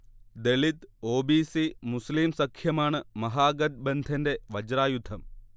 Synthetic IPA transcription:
d̪e̞ɭit̪o̞ːbiːsimuslimsɐkʰjɐmaːɳɨmɐɦaːɡɐd̪̚bend̪ʱɐnde̞ʋɐd͡ʑɾaːjud̪ʱɐm

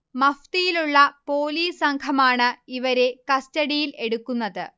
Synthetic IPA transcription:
mɐft̪ijiluɭːɐpo̞ːliːsɐŋkʰɐmaːɳɨiʋɐɾe̞kɐstɐɽijile̞ɽukːunːɐðɨ

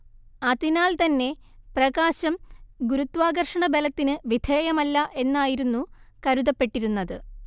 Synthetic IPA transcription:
ɐðinaːlt̪ɐnːe̞ | prɐɡaːɕɐmɡuɾut̪ːʋaːɡɐrʂɐɳɐbelɐt̪ːinɨʋid̪ʱʰeːjɐmɐlːɐʔe̞nːaːjiɾunːukɐɾuðɐpːe̞ʈːiɾunːɐðɨ

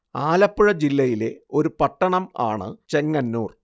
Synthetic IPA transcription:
aːlɐpːuɻɐd͡ʑilːɐjile̞o̞ɾupɐʈːɐɳɐma̰ːɳɨ̰t͡ɕe̞ŋːɐnːuːr

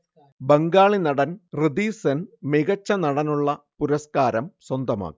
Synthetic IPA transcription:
bɐŋɡaːɭinɐɽɐnrɨd̪iːsenmiɣɐt͡ɕːɐnɐɽɐnuɭːɐpuɾɐskaːɾɐmswɐnd̪ɐma̰ːkːi

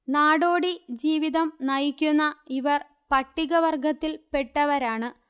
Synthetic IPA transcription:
naːɽo̞ːɽid͡ʑiːʋiðɐmnɐjikʲːunːɐiʋɐr | pɐʈːiɣɐʋɐrɡɐt̪ːilpe̞ʈːɐʋɐɾaːɳɨ

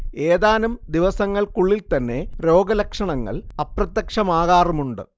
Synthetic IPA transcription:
eːðaːnumd̪iʋɐsɐŋːɐɭkuɭːilt̪ɐnːe̞ɾo̞ːɡɐlɐkʂɐɳɐŋːɐ̰ɭɐprɐt̪ːɐkʂɐmaːɣaːrumuɳɖɨ̰

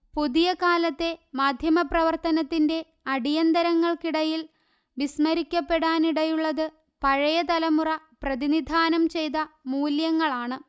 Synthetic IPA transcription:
puðijɐkaːlɐt̪ːe̞maːd̪ʱjɐmɐprɐʋɐrt̪ɐnɐt̪ːinde̞ | ɐɽijɐnd̪ɐɾɐŋːɐɭkiɽɐjil | ʋismɐɾikʲːɐpːe̞ɽaːniɽɐjuɭːɐðɨ | pɐɻɐjɐt̪ɐlɐmurɐ | prɐðinid̪ʱaːnɐmt͡ɕe̞jt̪ɐmuːljɐŋːɐɭaːɳɨ

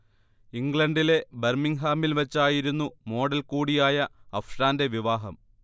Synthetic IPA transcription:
iŋɡɭɐɳɖile̞bermiŋɦaːmilʋɐt͡ɕːaːjiɾunːumo̞ːɽɐlkuːɽijaːjɐɐfʂaːnde̞ʋiʋaːɦɐm

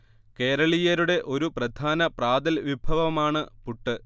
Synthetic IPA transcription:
ke̞ːɾɐɭijɐɾuɽe̞ʔo̞ɾuprɐd̪ʱaːnɐpraːd̪ɐlʋibʱɐʋɐmaːɳɨpuʈːɨ

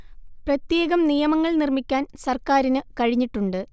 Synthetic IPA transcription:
prɐt̪je̞ːɣɐmnijɐmɐŋːɐɭnirmikʲːaːnsɐrkaːɾinɨkɐɻiɲːiʈːuɳɖɨ

